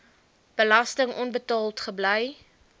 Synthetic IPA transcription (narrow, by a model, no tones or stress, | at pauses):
b̥əlɐstəŋʔɔnbətɑːlˠtχəbləj